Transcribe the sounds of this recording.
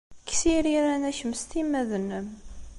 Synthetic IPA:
kːsiɾiɾænæçəmst̪imːæðənːəm

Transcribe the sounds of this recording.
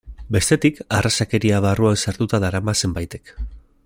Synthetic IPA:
be̞st̪e̞t̪ikarasake̞ɾiaβaruansaɾt̪ut̪aðaɾamase̞mbajt̪e̞̥k

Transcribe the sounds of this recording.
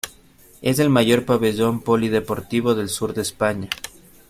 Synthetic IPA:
ez̬e̞lmaʝo̞ɾpaβe̞ʝo̞mpolið̞e̞po̞ɾt̪iβ̞o̞ðe̞lsuɾðe̞ːspaɲa

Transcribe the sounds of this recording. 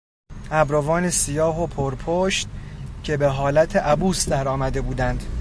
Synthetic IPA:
æbɾovɒːnesijɒːɦopʰoɾpʰoʃt̪cʰe̞be̞ɦɒːlæt̪ʰeʔæbuːsd̪æɾɒːmæd̪e̞buːd̪ænd̪̥

